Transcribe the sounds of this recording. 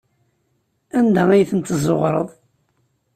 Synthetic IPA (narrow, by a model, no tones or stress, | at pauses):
ænd̪ææjθənt̪əzˤːoʁɾˤə̰ðˤ